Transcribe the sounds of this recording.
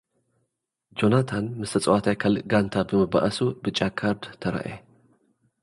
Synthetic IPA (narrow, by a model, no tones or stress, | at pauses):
d͡ʒo̞nat̪ʰanmɨst̪ʰɐt͡sʼwat̪ʰajkʰalɨɡant̪ʰabɨmɨba̰ʔɐsubɨt͡ʃʼakʰaɾd̪t̪ʰɐɾɐ̰ʔe